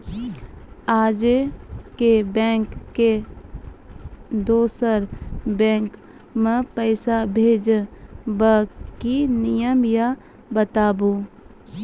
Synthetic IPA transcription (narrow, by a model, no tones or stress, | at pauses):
aːd͡ʒekebɛ̃ːŋkːe | d̪oːsəɾbɛ̃ːŋk | mə̃pəɪsabʱeːd͡ʒbəkinɪjəmja | bət̪aːbuː